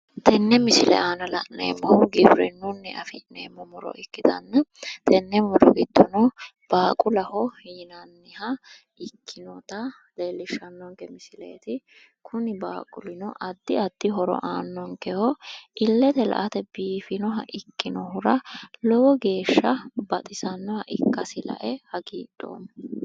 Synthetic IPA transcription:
t̪ɛnːɛmɪsɪlɛ̰ʔaːnɐlɐʔnḛːmːɔwɡɪbɾɛnːunːɛʔɐfɪnḛːmːɔmʊɾɔ̰ʔɪkːɪd̪ɐ̰nːɐt̪ɛnːɛmʊɾɔɡɪt̪ːɔnɔ | b̥aːkʼʊlɐhɔhjɪnɐnːɪhɐ | ɪkʰːɪnɔt̪ɐ | leːlːɪʃɐnːɔŋkɛmɪsɪlḛːt̪ɪ | kʰʊnɪba̰ːkʼʊlɪnɔʔɐd̪ːɪɐd̪ːɪɦɔɾɔ̰ʔaːnːɔŋkɛhɔɪlːɛt̪ɛlɐ̰ʔɐt̪ɛbiːfɪnɔɦɐʔɪkːɪnɔɦʊɾɐlɔwɔɡe̞ːʃːɐbɐt̪ʼɪsɐnːɔhɐʔɪkːɐsɪlɐ̰ʔɛhɐɡiːᶑo̰ːm

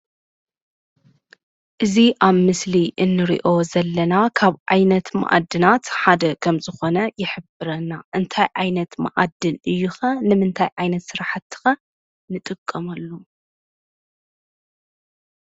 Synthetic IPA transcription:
ʔɨziʔaβmɨsliʔɨnːɨɾḭʔo̞zɐlːɐnakʰaβʔajnɐt̪ma̰ʔa̰d̪ːɨnat̪ħad̪ɐkʰɐmzɨxo̞nɐjɪħɨbɨɾɐnaʔɨnt̪ʰajʕajnɐt̪ma̰ʔa̰d̪ːɨlɨjːuxɐnɨmɨnt̪ʰajʕajnɐt̪sɨɾaħat̪ːɨ̥xɐ | nɨt̪ʼɨkʼːɐmɐlːu

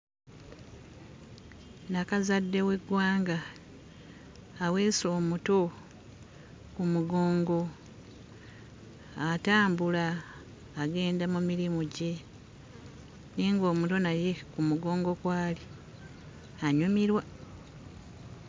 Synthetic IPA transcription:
nakazadːe̞we̞ɡwaːŋɡa | we̞ːso̞ːmuto̞ | kumuɡo̞ːŋɡo̞ | ataːmbulaː | ɡe̞ːndamumiɾimuɟe̞ | niːŋɡo̞ːmuto̞naje̞kumuɡo̞ːŋɡo̞kwaːli | aɲumiɾwa

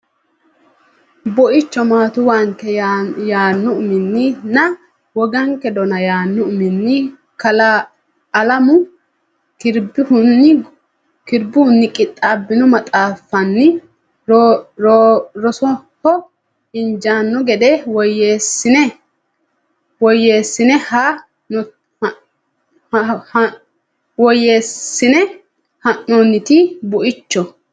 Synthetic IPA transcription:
bɔʔɪt͡ʃːɔmaːt̪ʊwaŋkːɛjaːnːʊʔʊmɪnːɪnɐ | wɔɡɐŋkːɛd̪ɔnɐjaːnːʊʔʊmɪnːɪ | kɐl | ɐlɐmʊ | kɪɾbɪhʊnːɪ | kɪɾbʊʊnːɪkʼɪt̪ʼːaːbːɪnɔmɐt̪ʼaːfːɐnːɪ | ɾɔɾɔsɔhɔ | ɪnd͡ʒaːnːɔɡɛd̪ɛwɔjesɪnɛ | wɔje̞ːsːɪnɛha | nɔ | wɔjeːsːɪnɛ | hɐnːɔnːɪt̪ɪbʊʔɪt͡ʃːɔ

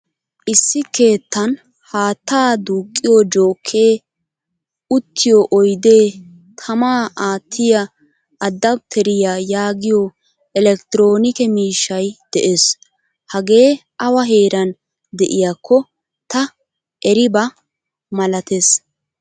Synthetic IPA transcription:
ʔɪsːɪke̞ːt̪ːɐn | haːt̪ːaːd̪uːkʼːɪjɔd͡ʒoːkʰːe̞ː | ʊt̪ʰːɪjɔʔɔjd̪e̞ː | t̪ʰɐmaːʔaːt̪ʰːɪjɐ | ɐd̪ːɐb̚t̪ʰɛɾɪjaːjaːɡɪjɔ | ɛlɛkt̪ɪɾoːnɪkɛmiːʃːɐjd̪̥ɛʔes | hɐɡe̞ːʔɐwɐɦe̞ːɾɐn | d̪ɛʔɪjakʰːɔ | t̪ɐ | ʔɛɾɪbɐ | mɐlɐt̪es

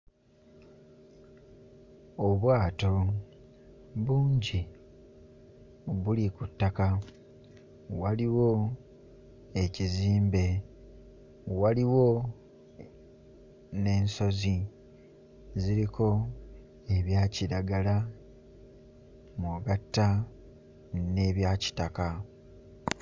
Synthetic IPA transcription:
oβwaːto̞ | βuːɲɟi | βulikutːaka | waliwo̞ | e̞ciziːmbe̞ | waliwo̞ | ne̞ːnso̞zi | ziɾiko̞ | e̞βjaːciɾaɡala | maɡatːa | ne̞ːβjaːci̥taka

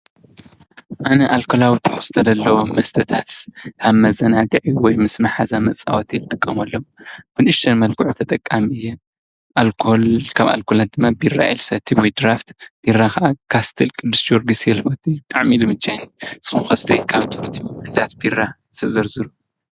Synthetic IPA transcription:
ʔanɐʔalkʰolawit̪ʰʼɨ̥ħuz̥ɨt̪ʰɐd̪ɐlːɐwomɐst̪ʰɐt̪ʰat̪kʰaβmɐzɐnaɡɨʕiwɔjmɨsmɨħazamɐt͡sʼa̰wot̪ʰɛlt̪ʼɨkʼːɐmɐlːob̥ɨnɨʃt̪ʰɐnmɐlkʰɨʕut̪ʰɐt̪ʼɐkʼːamiiɨjːɛ | ʔalkʰlkʰaβa̰lkʰolad̪ɨmːabira̰ʔelsɐt̪ʰːiwɔjd̪ɨɾaft̪b̥iɾakɐʔakʰast̪ʰilkʼɨd̪ːɨsd͡ʒoɾɡisjɛlmɐt̪ʼit̪ʼaʕmilɨmɨt͡ʃːajnizɨ̥kumxɐst̪ʰɐjkʰaβt̪ʰɨ̥fɐt̪ʰiwuɨnziat̪bira | ɨt̪ʰɐzɐɾzɨɾu

